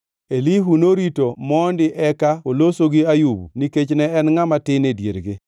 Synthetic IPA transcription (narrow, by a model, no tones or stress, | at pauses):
eliɦunoɾitomɔndɪʔɛkaolosoɡɪajubṵniket͡ʃnɛɛnŋamatɪnedjeɾɡɪ